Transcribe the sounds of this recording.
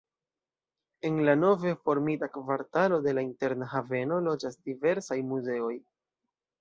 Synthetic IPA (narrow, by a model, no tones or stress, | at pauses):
e̞nlano̞vefo̞ɾmitakvaɾtalo̞de̞lainte̞ɾnaɦave̞no̞lo̞d͡ʒasd̥ive̞ɾsajmuze̞o̞j